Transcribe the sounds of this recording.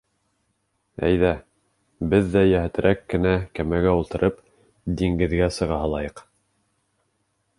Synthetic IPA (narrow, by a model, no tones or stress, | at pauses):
æ̰jðæ | bɘðːæjæhæ̆t̪ɘ̆ɾʔækːɘ̆nækæmæɡæulˠt̪ɤ̆ɾʔɤp | d̪iŋɡɘ̆ðɡæsɤ̆ʁɑɦɑlˠɑjɤq